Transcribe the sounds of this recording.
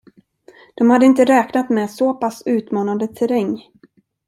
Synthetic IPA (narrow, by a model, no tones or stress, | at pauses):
d̪̥ɔmhad̪ːəɪnt̪əɾɛːknat̪mɛsɔpʰasʉ̟ːt̪mɑːnand̪ət̪ʰɛɾɛŋː